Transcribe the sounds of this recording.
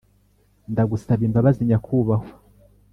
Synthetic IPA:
ndaɡusaβiːmbaβaziɲakʰuβahwa

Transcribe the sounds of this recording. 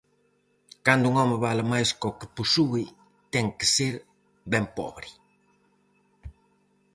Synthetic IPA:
kand̪uŋɔmɪβalamajskɔkɪ̥pusui | t̪ɛŋkɪ̥seɾ | bɛmpɔ̰βɾɪ

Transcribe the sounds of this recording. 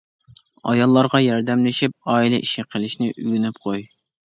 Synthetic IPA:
ɑ̰jɑlˠːɑɾʁɑjɑɾd̪ɛmlɪʃip̚ɑːilɛʔiʃɪqʰəlˠɪʃnɪʔyɡʲynyp̚qʰoj

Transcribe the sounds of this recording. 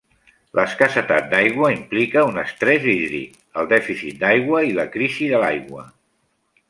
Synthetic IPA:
lʔəskəsət̪at̪̚d̪ajɣwəimplikəunəst̪ɾɛziðɾḭt | əlˠd̪ɛfiθit̪̚d̪ajɣwəiləkɾiziðəlajɣwə

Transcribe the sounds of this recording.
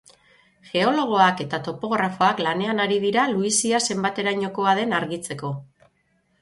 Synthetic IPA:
ʝe̞o̞lo̞ɣ̞o̞ake̞t̪at̪o̞po̞ɣ̞ɾafo̞aklane̞anaɾið̞iɾaluisiase̞mbat̪e̞ɾaɲo̞ko̞aðe̞naɾɣit͡se̞ko̞

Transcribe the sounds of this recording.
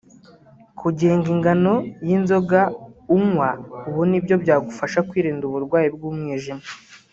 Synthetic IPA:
kʰuɟeːŋɡiŋɡano̞jinzo̞ɡaumwauβonibjo̞bjaːɡufaʃakwiːɾiːnduβuɾɡwaːjibɡuːmŋiːʒima

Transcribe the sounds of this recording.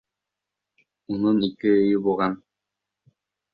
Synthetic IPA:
ununikːiːjybuʁan

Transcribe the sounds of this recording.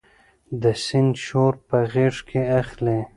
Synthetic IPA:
d̪əsɪnd̪ʃoɾpəɣeʂkʰeaxle

